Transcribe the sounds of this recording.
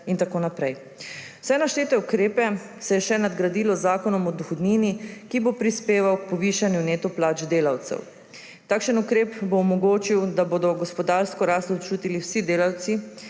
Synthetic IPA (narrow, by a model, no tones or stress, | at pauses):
int̪akoːnapɾɛj | w̥sɛnaʃt͡ʃeːt̪ɛukɾeːpɛ | sɛjɛʃɛnad̪ɡɾad̪iːlɔzaːkɔnɔmɔd̪ɔxɔd̪niːnikibopɾispeːʋawk̚pɔʋiːʃanjuneːt̪ɔplaːt͡ʃd̪eːlawt̪sɛ̰w | t̪aːkʃənukɾeːpboːmɔɡoːt͡ʃiwd̪aboːd̪ɔɡɔspɔd̪aːɾskɔɾaːst̪ɔt͡ʃuːt̪iliwsid̪eːlawt̪si